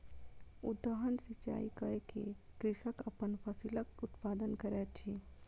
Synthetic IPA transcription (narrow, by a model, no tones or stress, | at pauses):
ud̪əɦənsit͡ʃa̰ikəekekɾɪʃəkəpənpʰəsiləkut̪pad̪ənkəɾɛt̪t͡ʃʰi